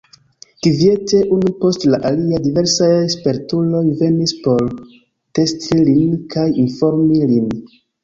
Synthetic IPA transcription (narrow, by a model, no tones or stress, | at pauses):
kivie̞te̞ʔunupo̞stlaʔaliadive̞ɾsajespe̞ɾtulo̞jve̞nispo̞ɾ | te̞stʰilinkʰajinfo̞ɾmilin